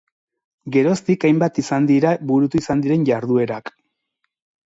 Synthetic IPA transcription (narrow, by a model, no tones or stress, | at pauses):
ɡe̞ɾo̞st̪ikajmbat̪isand̪iɾaβuɾut̪uisand̪iɾe̞nɟaɾðue̞ɾak